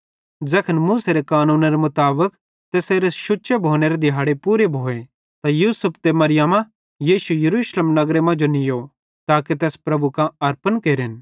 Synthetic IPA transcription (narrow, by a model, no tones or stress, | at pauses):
d͡zɛkʰənmuːseɾekaːnuːnaɾemʊt̪aːbək | t̪ɛːseːɾeʃʊtːʃebʱoːneɾed̪ɪɦaːɽepuːɾebʱoːe | t̪ajuːsəpʰt̪emɐɾɪjamã | jiːʃujɐɾuːʃleːmnɐɡɾemɐ̃d͡ʒonɪjo | t̪aːket̪ɛːspɾɐbukãɐɾpənkeːɾɪn